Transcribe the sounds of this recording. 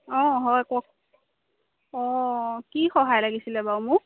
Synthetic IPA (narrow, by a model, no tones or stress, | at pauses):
ɔ̃ɦɔjkɔk | ɔkixɔɦajlaɡisilɛbawmʊ